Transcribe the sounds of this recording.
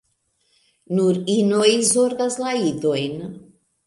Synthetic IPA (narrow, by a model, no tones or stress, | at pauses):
nuɾinojzoɾɡazlaid̪oen